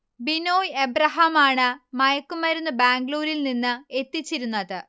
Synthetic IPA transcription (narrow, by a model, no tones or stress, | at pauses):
binoːjebrɐɦamaːɳɨmɐjɐkːumɐɾunːɨbaːŋɡluːɾilninːɨe̞t̪ːit͡ɕːiɾunːɐðɨ